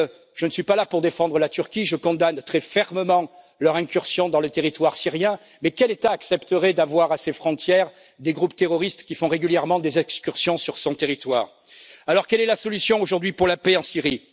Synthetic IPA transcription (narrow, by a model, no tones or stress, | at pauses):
ʒ̥ənəsɥipalapuʁd̪efɑ̃d̪ʁəlat̪yʁkʲiʒəkɔ̃d̪ant̪χɛfɛʁməmɑ̃ | lœʁɛ̃kʲyʁsjɔ̃d̪ɑ̃lət̪eʁit̪waʁsiʁjɛ̃ | mɛkɛlet̪aːksɛpt̪əʁɛd̪avwaʁasefχɔ̃t̪jɛʁ | d̪eɡʁupt̪eʁɔʁist̪kʲifɔ̃ʁeɡʲyljɛʁmɑ̃d̪ezɛkskʲyʁsjɔ̃syʁsɔ̃t̪eʁit̪waːʁ | alɔʁkɛlɛlasɔlysjɔ̃oʒuʁd̪ɥipuʁlapɛɑ̃siʁi